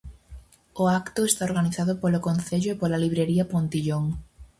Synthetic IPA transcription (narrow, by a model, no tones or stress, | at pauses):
oakt̪ʊest̪aoɾɣaniθaðʊpolokonθeʎʊepolaliβɾeɾiɐpont̪iʎoŋ